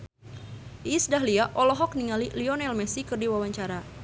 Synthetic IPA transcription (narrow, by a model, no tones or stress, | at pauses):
iːsdaɦliaʔɔlɔɦɔk̚niŋaliliɔnɛlmɛsikɨrdiwawaɲt͡ʃaɾa